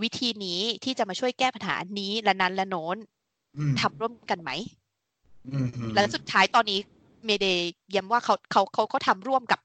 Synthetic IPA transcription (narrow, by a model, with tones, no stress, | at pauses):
wi˦˥t̪ʰiː˧niː˦˥t̪ʰiː˥˩t͡ɕa˨˩ʔmaː˧t͡ɕʰu˥˩əjkɛː˥˩pa˧nha̰ː˩˦niː˦˥lɛ˦˥na˦˥nlɛ˦˥noː˦˥n | t̪ʰa˧mɾu˥˩əmka˧nma˦˥j | lɛ˦˥su˨˩t̪ʰːaː˦˥jt̪ɔː˧nːiː˦˥ | meː˧deː˧ji˦˥əmwaː˥˩kʰa˦˥wkʰa˦˥wkʰa˦˥wkʰa˦˥wt̪ʰa˧mɾu˥˩əmka˨˩p̚